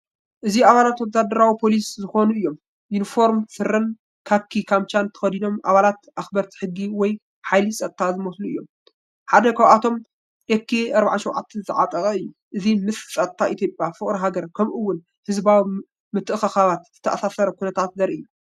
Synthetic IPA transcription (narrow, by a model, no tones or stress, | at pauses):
ʔɨziaβalat̪wɐzad̪ɐɾawipʰo̞liszɨxo̞nuɨjːo̞m | junifo̞ɾmsɨɾɨn | kʰakʰːikʰamt͡ʃant̪ʰɐ̥xɐd̪ino̞mʔa̰βalat̪ʔaxbɐɾt̪ʰi̥ħɨɡːiwɔj | ħajlisʼɐt̪ʼt̪ʰazɨmɐsluɨjːo̞m | ħad̪ɐkʰaβʔat̪ʰo̞m | ekʰːeɐɾbaʕaʃɛwʕat̪ʰːɐzɨʕat̪ʼɐɣʼɐɨjːu | ʔɨzimɨssʼɐt̪ʼt̪ʰːaʔit̪ʰjo̞pʼjafɨχʼɾɐɦaɡɐɾkʰɐmʔɨwːʊn | hɨzbawi | mɨt̪ʰːɨʔxɐxaβat̪z̥ɨ̥t̪ʰːɐʔasasɐɾɐkunɐt̪ʰat̪̚zɐɾiɨjːu